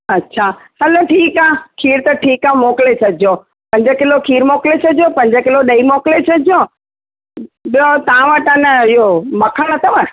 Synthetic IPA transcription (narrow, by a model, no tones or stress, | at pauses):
ɐtːɕʰaːhɐloʈʰiːkaːkʰiːɾt̪ɐʈʰiːkamoːklesʰɐdʱɪjõː | pɐ̃ɲd͡ʑəkɪlokʰiːɾmoːklesʰɐdʱjopɐ̃ɲd͡ʑəkɪloɗɐimoːklesʰɐdʱo | ɓijõt̪aãʋəʈənɪɦomɐkʰəɽ̃ɐt̪ʰɐʋə